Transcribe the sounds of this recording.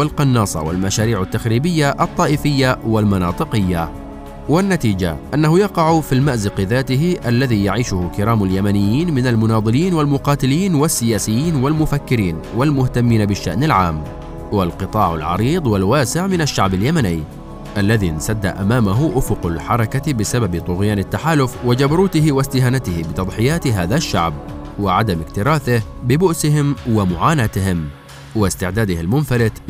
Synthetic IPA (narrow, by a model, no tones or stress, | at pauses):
walqɑnːɑːsˤɑ̰wa̰lmaʃaːɾiːʕat̪ːaxɾiːbɪjːaʔɑt̪ˤːɑːʔɪfɪjːawalmɑnɑ̰ːt̪ˤɨqɪjːa | wanːat̪iːd͡ʒa̰ʔanːahʊjɑqɑʕfilmaʔzɪqðaːt̪ɪɦɪʔalːaðiːjaʕiːʃʊhʊkɪɾaːmaljamanɪjːiːnmɪnalmʊnɑːðˤɨliːnwalmʊqɑːt̪ɪliːnwasːɪjaːsɪjːiːnwalmʊfakːɪɾiːnwalmʊht̪amːiːnabɪʃːa̰ʔnalʕaːmː | walqɨt̪ˤɑːʕa̰lʕɑ̰ɾiːd̪ˤwalwaːsɪʕmɪnaʃːaʕbaljamanɪː | ʔalːaðinsad̪ːa̰ʔamaːmaɦʊʔʊfʊqalħɑɾˤɑkabɪsababt̪ˤʊɣjaːnɪt̪ːaħaːlʊfwɪd͡ʒabɾˤuːt̪ɪhɪwɪst̪ɪɦaːnat̪ɪhɪbɪt̪ɑd̪ˤħɪjaːt̪ɦaːðaʃːa̰ʕb | wɪʕad̪amɪkt̪ɪɾaːθɪhbɪbʊʔsɪɦɪmwɪmʊʕaːnaːt̪ɪhɪm | wɪst̪ɪʕd̪aːd̪ɪhɪlmʊnfalɪt̪